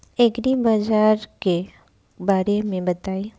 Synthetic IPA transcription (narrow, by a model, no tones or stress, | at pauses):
ekɾibaːd͡ʒaːɾke | baːɾemẽbɐt̪aːi